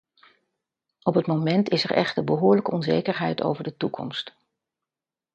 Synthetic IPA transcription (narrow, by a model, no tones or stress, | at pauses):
ɔpɦətmowmɛntɪsɛɹɛ̰χtəbəɦʊːɹləkəɔnzejkəɹɦɛjto̰wvəɹdətukɔ̰mst